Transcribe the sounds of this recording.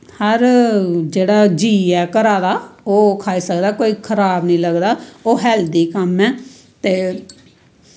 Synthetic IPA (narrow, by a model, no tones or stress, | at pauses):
həɾd͡ʒeːɽaːd͡ʒiːɛːkəɾaːd̪aːoːkʰaːiːsəkd̪aːkoːiːkʰəɾaːbnĩːləɡd̪aːoːɦɛːld̪iːkəmɛː | t̪eː